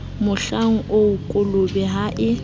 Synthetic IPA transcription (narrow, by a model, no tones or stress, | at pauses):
mʊɬaŋ̩ʔoukʼʊlʊbɛɦaʔɪ